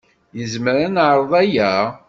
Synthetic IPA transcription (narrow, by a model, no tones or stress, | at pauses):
jəzməɾanaʕɾˤðˤæjæ